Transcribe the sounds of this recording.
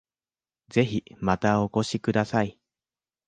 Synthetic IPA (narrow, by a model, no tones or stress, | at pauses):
ze̞çimat̪ao̞ko̞ɕikɯ̟d̪asai